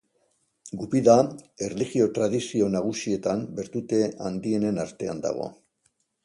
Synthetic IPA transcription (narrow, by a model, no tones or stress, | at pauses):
ɡupiðae̞rliɣio̞t̪ɾaðisio̞naɣ̞usie̞t̪ambe̞ɾt̪ut̪e̞a̰nd̪ie̞ne̞naɾt̪e̞a̰nd̪a̰ɣ̞o̞̰